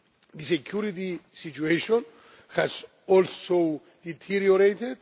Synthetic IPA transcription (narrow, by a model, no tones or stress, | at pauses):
ðisekʰjuɾit̪isit͡ʃueʃɔ̃n | hæz | ɔlso | d̪it̪ʰiɾjoɾet̪ed̪